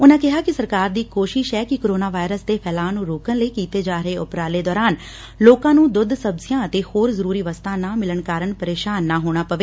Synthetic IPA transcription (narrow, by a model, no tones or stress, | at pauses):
ʊnãːkɪɦaːkɪsəɾkaːɾd̪iːkoːʃɪʃɦɛːkɪkoːɾoːnaːʋaːɪɾəsd̪eːpʰɛːlaːnũːɾoːkənləiːkiːt̪eːd͡ʒaːɾəeːʊpɾaːleːd̪ɔːɾaːn | loːkãːnũːd̪ʊd̪ʱsəbsɪjãːət̪eːhoːɾzəɾuːɾiːʋəst̪ʰãːnaːmɪləɳkaːɾəɳpəɾeːʃaːnːaːɦoːɽ̃aːpəʋeː